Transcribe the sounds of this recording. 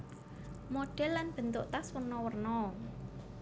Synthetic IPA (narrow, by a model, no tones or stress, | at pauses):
moɖ̥ɛ̤lːanb̥ə̤nt̪ʊʔt̪aswərnɔwərnɔ